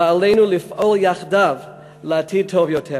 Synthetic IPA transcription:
alejnulifʔoljaχdav | leatʰid̚tʰovjotʰe

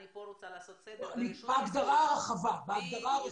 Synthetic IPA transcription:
nibaaɡd̪aʁaaχavabaaɡd̪aʁa

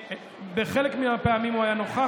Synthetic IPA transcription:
beχelekmiapeamimuajano̞χa

